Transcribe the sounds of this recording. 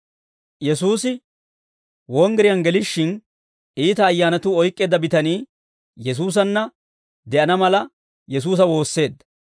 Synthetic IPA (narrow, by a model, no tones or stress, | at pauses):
jɛsuːsɪ | wɔŋɡɛɾɪjɐnɡɛlɪʃːɪn | iːt̪ɐːjːaːnɐt̪ʊɔjkʼːe̞ːd̪ɐbɪt̪ɐniː | jɛs̬uːs̬ɐnːɐ | d̪ɛʔɐnɐmɐlɐ | jɛs̬uːs̬ɐwo̞ːsːe̞ːd̪ːɐ̥